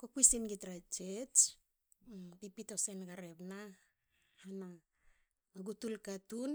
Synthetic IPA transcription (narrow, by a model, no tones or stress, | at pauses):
kokuisinɡitɾat͡ʃet͡ʃ | pipito̞senɡaɾe̞bna | hana | aɡutulkatun